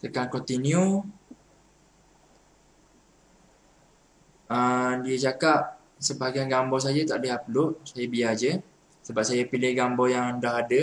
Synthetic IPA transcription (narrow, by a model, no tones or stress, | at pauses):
t̪əkankɔt̪iniu | ədiət͡ʃakap̚ | səbaɡaanɡambɔs̬ad͡ʒət̪aʔdəɦaplʊʔsajəbiad͡ʒə | səbap̚sajəpilɪhɡambɔjaŋdaɦadə